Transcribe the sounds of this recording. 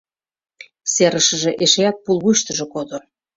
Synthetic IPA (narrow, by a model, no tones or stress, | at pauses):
seɾəʃə̆ʒĕʔeʃeɑt̪̚pulβujʃt̪əʒekod̪o